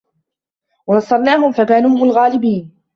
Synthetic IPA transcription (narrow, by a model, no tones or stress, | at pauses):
wɑnɑsˤːɑɾˤnaːɦʊmfakaːnuːhʊmalɣaːlɪbiːn